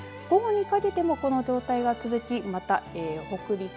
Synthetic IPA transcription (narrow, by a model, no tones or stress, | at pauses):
ɡ̥o̞ɡo̞ɲ̟ikake̞t̪e̞mo̞ko̞no̞ʑo̞ːt̪aiɡat͡sɨzɨkʲimat̪aeːho̞kɯ̟ɾʲi